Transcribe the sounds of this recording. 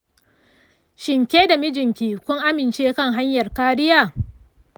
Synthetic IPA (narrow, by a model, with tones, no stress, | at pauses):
ʃɪ˨ŋkʲeː˦da˨mɪ˦d͡ʒɪ˨ŋkʲiː˨kʷʊ˦ŋʔa˦mɪ˨nt͡ʃeː˦kɐ˦˨ŋɦa˦ɲjɐ˨rkaː˦ɽɪ˦jaː˦˨